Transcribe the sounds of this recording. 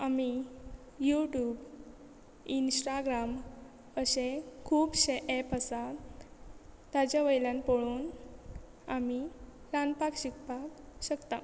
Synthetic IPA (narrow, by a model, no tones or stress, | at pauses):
ami | juʈjuːb | insʈaɡɾam | əɕekʰuːpɕeʔɛpəsa | t̪ad͡ʑjaʋəjljãnpoɭuːn | ami | lanpakɕikpaɕəkt̪a